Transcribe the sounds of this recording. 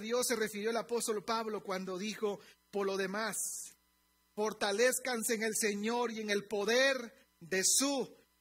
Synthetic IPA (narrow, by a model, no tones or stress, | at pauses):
ðjo̞sːe̞re̞fiɾjo̞elapo̞st̪o̞lpaβlo̞kwand̪o̞ðixo̞po̞ɾlo̞ðe̞mas | fo̞ɾt̪ale̞skanse̞ːŋe̞lse̞ɲo̞ɾie̞ŋe̞lpo̞ðeɾ | d̪e̞su